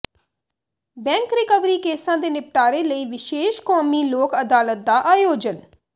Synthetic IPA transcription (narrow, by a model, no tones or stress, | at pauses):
bɛ̃ːŋkɾɪkəʋɾiːkeːsãːd̪eːnɪp̚ʈaːɾeːləiːʋɪʃeːʃkɔːmiːloːkəd̪aːlət̪̚d̪aːʔaːjoːd͡ʒən